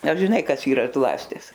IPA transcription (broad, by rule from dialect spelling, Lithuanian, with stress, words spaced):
ɐr ʒʲɪˈnɐɪ ˈkɐs ˈiːrɐ ˈzlˠɑːsʲtʲɪs